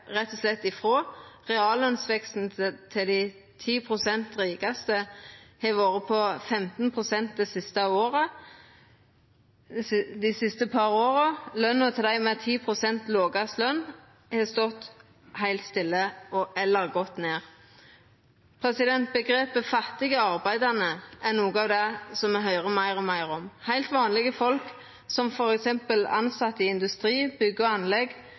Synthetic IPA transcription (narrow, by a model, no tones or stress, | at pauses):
ʁɛt̪ːɔslɛt̪ːɪfʁoːʁɛɑːlœnsʋɛkst̪n̩t̪ʰɪld̪æɪ | t̪ʰiːpʰʁʊsɛnt̪ʁiːɡɑst̪əhɑʋoːʁəpʰɔfɛmt̪n̩pʰʁʊsɛnt̪̚d̪ɛːsɪst̪ɑoːʁə | d̪ɪsɪst̪əpʰɑʁoːʁəlœnːət̪ʰɪld̪æɪmɛt̪ʰiːpʰʁʊsɛnt̪loːɡɑslœn | hɛst̪ɔt̪ː | hæɪlt̪st̪ɪlːəʔɔʔɛlːəʁɡɔt̪neːʁ | pʰɾɛsɪd̪ɛnt̪̚bəɡʁeːpəfɑt̪ːɪɡəɑʁbæɪd̪ɑnəʔɛnuːɡɑːʋd̪ɛsɔmːɛɦœʏʁəmæɪʁɔmæɪʁɔmhæɪlt̪ʋɑːnlɪɡəfɔlk | sɔmfɔʁɛksɛmpəlɑ̰nsɑt̪ːɪɪnd̪ʉst̪ʁiːbʏɡːɔɑnlɛɡ